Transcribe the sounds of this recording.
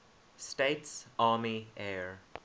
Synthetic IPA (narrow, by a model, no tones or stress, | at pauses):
steɪtsɑːmiɛːɹ